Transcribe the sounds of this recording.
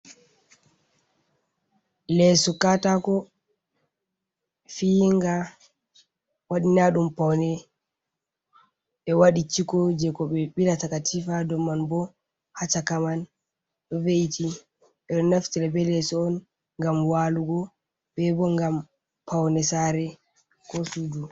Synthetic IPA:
lɛsɔkatakɔ | fiŋɡa | waɗinaɗumpawnɛ | ɓɛwaɗit͡ʃikɔd͡ʒɛkɔɓɛɓilatakatʰifadɔmːanbɔ | hat͡ʃakaman | ɗɔveiti | ɓɛɗɔnaftiɾabɛlɛsɔːn | ŋɡamwaluɡɔ | ɓɛbɔŋɡam | pawnɛsaɾɛ | kɔsudu

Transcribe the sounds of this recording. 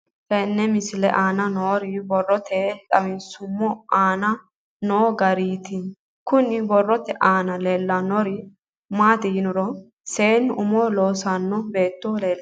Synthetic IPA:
fɛnːɛmɪsɪlɛʔaːnɐnoːɾɪbɔrːɔt̪ʰɛᶑɐmɪnsʊmːɔaːnɐ | noːɡɐɾiːt̪ɪ | kʊnɪbɔrːɔt̪ːɛʔaːnɐleːlːɐnɔɾɪ | maːt̪ɪjɪnʊɾɔ | seːnːʊmoːlo̞ːsanːɔbe̞ːt̪ːoːleːlː

